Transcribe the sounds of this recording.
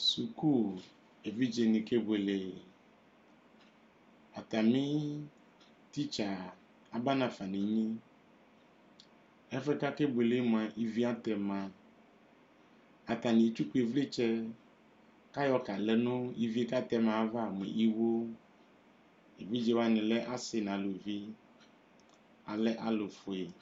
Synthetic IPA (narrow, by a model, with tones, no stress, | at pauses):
su˨ku˦ | e˨vi˦d͡ʒe˨nĩ˨ke˦be˨le˨ | a˨t̪a˨mĩ˦ | t̪i˦t͡ʃa˨ | a˨ba˦nã˨fa˨nĩ˨ɲĩ˦ | e˦fe˦ka˦ke˦be˨le˦mã˨ʔi˦vi˦a˦t̪ɛ˨mã˨ | a˨t̪a˨nẽ˨t͡ʃu˦k͡pu˦e˨vle˦t͡ʃɛ˦ | ka˦jɔ˦ka˨le˦nõ˦i˦vi˦e˦ka˦t̪ɛ˦mã˨˦va˦˨mḛ̃˨ʔi˦wo˦ | e˨vi˦d͡ʒe˦wa˦nẽ˨le˦ʔa˦se˨nã˨lo˨vi˦ | a˨le˦ʔa˦lo˨fo˨e˨